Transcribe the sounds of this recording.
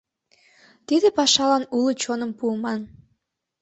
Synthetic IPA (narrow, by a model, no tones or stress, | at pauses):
t̪id̪ĕpɑʃɑlɑnulət͡ɕonəmpuːmɑn